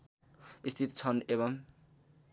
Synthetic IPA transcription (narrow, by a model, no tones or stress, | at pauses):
ist̪ʰit̪t͡sʰʌnebʌm